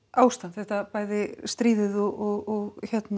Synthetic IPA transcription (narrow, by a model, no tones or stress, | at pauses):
aːwst̪anθɛht̪apaːjðɪst̪ɾiːðɪðɔɣɔɣɔɣçɛt̪n